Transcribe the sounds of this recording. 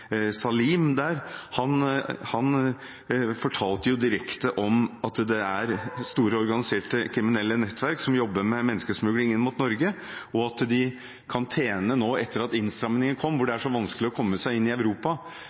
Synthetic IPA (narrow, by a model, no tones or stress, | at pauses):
sɑliːmd̪æːɾhɑnhɑn | fɔʈʰɑːlt̪əjʊd̪ɪɾɛkt̪əʔɔmɑt̪d̪ɛæɾst̪uːɾəɔɾɡɑnɪseːʈəkʰɾɪmɪnɛlːənɛt̪ːʋæɾksɔmjɔbːəmɛmɛnːəskəsmʉɡlɪɪnmʊt̪nɔɾɡə | ɔɑt̪d̪ɪ | kʰɑnt̪ʰeːnənoːɛt̪ːəɾɑt̪ɪnst̪ɾɑmnɪŋənkʰɔmːʋʊɖɛæʂɔʋɑnskəlɪɔkʰɔmːəsæɪɪnːɪœʉɾuːpɑ